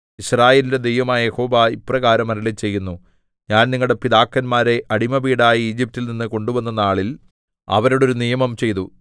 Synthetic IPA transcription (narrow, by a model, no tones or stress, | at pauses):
iɕraːjeːlinde̞d̪e̞jʋɐmaːjɐjeho̞ːbaːiprɐɣaːɾɐmɐɾɐlit͡ɕe̞jːunːu | ɲaːnniŋːɐɭɽe̞pid̪aːkːɐnmaːɾe̞ʔɐɽimɐbiːɽaːjiiːd͡ʑip̚tilninːɨko̞ɳɖuʋɐnːɐnːaːɭil | ɐ̰ʋɐɾoɽo̞ɾunijɐmɐmt͡ɕe̞jt̪u